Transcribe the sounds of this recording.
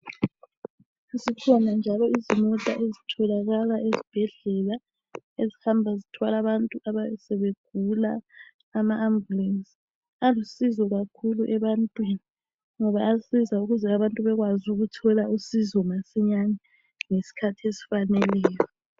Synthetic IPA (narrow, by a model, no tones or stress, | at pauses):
zikʰɔnand͡ʒʱalɔizimɔtʼa̰ʔezitʰɔlaɣalaʔezib̥ʱɛɮɛla | ezihambʱazitʰwalaβantʼuʔaβajɛsɛβeɡ̥̚ʱulaː | maʔːmbulɛnsi̥ | alusizɔɣakʰuluʔɛβantʼwini | ŋɔβaːsizauɣuzɛaβantʼuβɛɣwazuɣutʰɔlausizɔmasiɲanɛ | ŋesi̥kʰatʰiesi̥fanɛlɛːjɔ